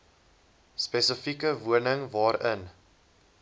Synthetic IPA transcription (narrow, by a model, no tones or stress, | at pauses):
spɛsəfikəvuənəŋvɑːɾən